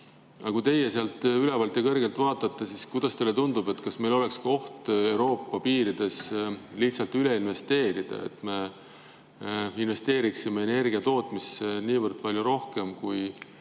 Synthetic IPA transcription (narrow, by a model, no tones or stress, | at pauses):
ɑkujt̪e̞jeseɑlt̪ˑyle̞vɑlt̪ˑːekɤrɡe̞lt̪ˑvɑːt̪ˑːɑt̪ːesiskujd̪̥ɑst̪elːet̪und̪ub̥e̞t̪ːkɑsme̞jlo̞le̞kskɑo̞ht̪e̞wɾo̞ːpːɑpiːɾid̪̥e̞sliht̪sɑlt̪yleinve̞st̪e̞ːɾid̪̥ɑ̰ḛt̪me̞ | inve̞st̪e̞ːɾiksimeene̞rɡ̥iɑt̪o̞ːt̪ˑmiseniːvərd̪̥̚pɑlʲjuɾo̞hke̞mkuj